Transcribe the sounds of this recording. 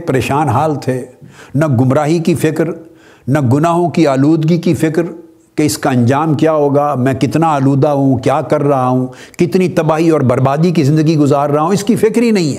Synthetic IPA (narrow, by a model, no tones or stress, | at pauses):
pɐɾeːʃaːnɦaːlt̪ʰeːnɐɡʊmɾaːɦikifɪkɾ | nɐɡʊnaːɦõkiaːluːd̪ɡikifɪkɾ | keɪskaɐ̃ɲd͡ʒaːmkjaːɦoːɡamɛ̃ːkɪt̪naːluːd̪aɦũkjaːkɐɾːɐɦaɦũ | kɪt̪nit̪ɐbaːɦiɔːɾbɐɾbaːd̪ikizɪ̃nd̪əɡiɡʊzaːɾːɐɦaɦũɪskifɪkɾɦinɐɦĩɦɛː